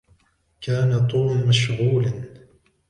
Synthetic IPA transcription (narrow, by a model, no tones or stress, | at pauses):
kaːnat̪ˤuːmmaʃɣuːlan